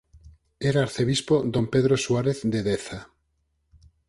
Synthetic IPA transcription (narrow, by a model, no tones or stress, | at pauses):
eɾaaɾθeβispod̪ompeðɾoswaɾeθd̪eðeθa